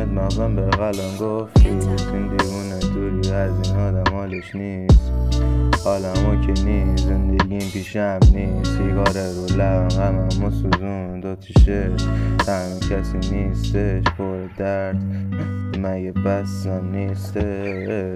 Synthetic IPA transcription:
med̪mæxzæmbeɣælɑnɡoft̪it̪ind̪iːvuːned̪oɾiæzinɔːd̪æmɒːleʃni | s | ɒːlæmukʰeniːszend̪eɡimpʰiʃemniːst̪jekɒːɾeɾolæmhæmæmusuzund̪ot̪ʰiʃeʃt̪ʰæmukʰæsiniːst̪eʃpʰoɾed̪æɾd̪̥ | mæjebæsæmnist̪e

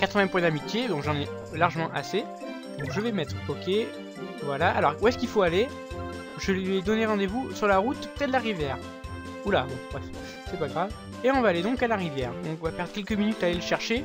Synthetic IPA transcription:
kat̪χəvɛ̃pwɛ̃d̪amit̪jed̪ɔ̃kʒɑ̃nɛ | laʁʒəmɑ̃ʔase | d̪ɔ̃kʒəvɛmɛt̪χɔkʲe | vwalaʔalɔʁuɛskilfoale | ʒəlɥɛd̪ɔneʁɑ̃d̪evusyʁlaʁut̪pt̪ɛd̪laʁivjɛːʁ | ula̰d̪ɔ̃kbʁɛf | sɛpaɡʁav | eɔ̃vaːled̪ɔ̃kalaʁivjɛːʁd̪ɔ̃kɔ̃vapɛʁd̪ʁkʲɛlkəminyt̪aleləʃɛʁʃe

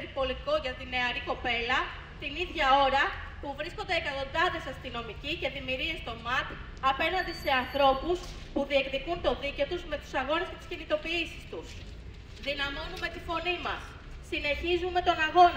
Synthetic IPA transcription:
ɾipo̞lit̪iko̞ʝɐt̪ine̞ɐɾiko̞pe̞lɐ | t̪iniðʝɐo̞ɾɐ | puvɾisko̞nd̪e̞ːkɐt̪o̞nd̪ɐðe̞sɐst̪ino̞miciceðimiɾie̞st̪o̞mɐt̪i | ɐpe̞nɐnd̪ise̞ɐnθɾo̞pus | puðie̞kðikunt̪o̞ðiceo̞t̪uzme̞t̪u̥sɐɣo̞nesce̞t̪i̥scinit̪o̞piisi̥st̪us | ðinɐmo̞nume̞t̪ifo̞nimɐ̰sː | ine̞çizume̞t̪o̞nɐɣo̞n

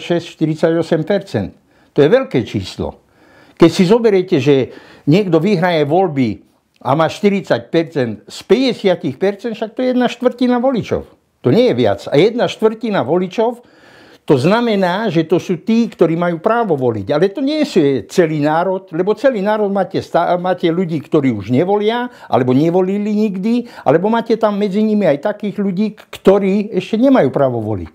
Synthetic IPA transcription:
ʃɛsʃt̪iɾit͡saɟɔsɛmpɛɾt͡sɛ̰nt̪ː | ɔjɛʋɛlkɛːt͡ʃḭːslɔ̰ | kɛcsizɔbɛɾɛcɛʒɛ | ɲɪɛɡd̪ɔʋiɦɾajɛʋɔlbi | a̰maːʃt̪iɾit͡sac̚pɛɾt͡sɛnt̪spɛɟɛsɪacixpɛɾt͡sɛnt̪ʃak̚t̪ɔjɛjɛd̪naʃt̪ʋr̩cinaʋɔlit͡ʃɔ̰ʊ | t̪ɔɲɛjɛʋɪa̰t͡sa̰jɛd̪̚naʃt̪ʋr̩cinaʋɔlit͡ʃɔʊ | t̪ɔznamɛnaːʒɛt̪ɔsuːt̪iːkt̪ɔɾiːmajuːpɾaːʋɔʋɔlḭɟalɛt̪ɔɲɪɛɛsuɛt͡sɛlinaːɾɔt̪lɛbɔt͡sɛliːnaːɾɔd̪maːcɛst̪amaːcɛluɟiːkt̪ɔɾiːuʒɲɛʋɔlɪaʔa̰lɛbɔɲɛʋɔliliɲiɡd̪ia̰lɛbɔmaːcɛt̪amːɛd͡ziɲimiajt̪akiːɣʎuɟiːkt̪ɔɾiːɛʃcɛɲɛmajuːpɾaːʋɔʋɔ̰lḭc

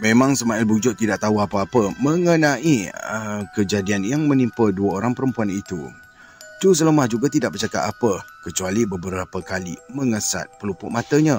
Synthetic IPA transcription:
mẽmãŋsəmaɪlbud͡ʒʊʔt̪ːidaʔ̚t̪aɦuapəapəməŋənãʔiəkəd͡ʒadianjaŋmə̃nimpəduəoɾaŋpəɾəmpuanit̪ṵ | t̪us̬ələmahd͡ʒuɡat̪idaʔ̚bərt͡ʃaka̰t̪apəkət͡ʃualibəbəɾɾapəkalḭmə̃ŋəsa̰t̪̚pəlupʊʔ̚mat̪əɲã

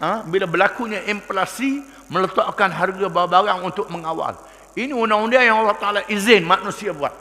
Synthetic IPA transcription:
ə̃bilabəlakuɲãʔimplasi | mə̃lət̪aʔkanɦarɡababaɾaŋunt̪ʊk̚məŋawa̰l | iniundaŋundiajaŋalːaht̪aalaʔizɪnmãknũsiabua̰t̪̚

